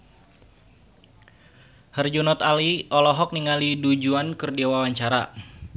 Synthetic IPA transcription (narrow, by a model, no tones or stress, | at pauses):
hərd͡ʒunɔt̪aliʔɔlɔɦɔk̚niŋalidud͡ʒuankərdiawawaɲt͡ʃaɾa